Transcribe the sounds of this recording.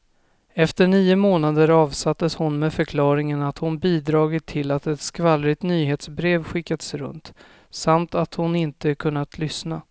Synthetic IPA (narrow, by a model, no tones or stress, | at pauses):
ɛft̪əɳiːʊmoːnad̪əɾɑːvsat̪ːəshʊnmeːfœɾkʰlɑːɾɪŋənat̪hʊnbiːd̪ɾɑːɡɪt̪ʰːɪlːat̪ɛt̪skvalːɾɪt̪nyːɦeːt̪sbɾeːvɧɪkːad̪əsɾɵ̰nt̪ | samt̪at̪hʊnɪnt̪əkʰɵnːat̪ʰlʏsna